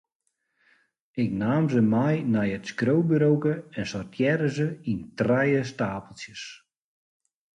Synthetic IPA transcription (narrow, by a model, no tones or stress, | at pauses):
ɪknaːmzəmajnɛjətskrowbəɾowkəɛnsɔrtʰjɛɾəzəintrɛjəstaːpəlˠsjəs